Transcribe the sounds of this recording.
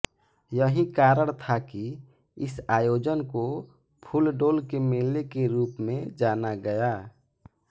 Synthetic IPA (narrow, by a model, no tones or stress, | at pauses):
jəɦĩkaːɾəɽ̃t̪ʰaki | ɪsaːjoːd͡ʒənko | pʰʊlɖoːlkemɪlnekeɾuːpmẽd͡ʒaːnaɡəja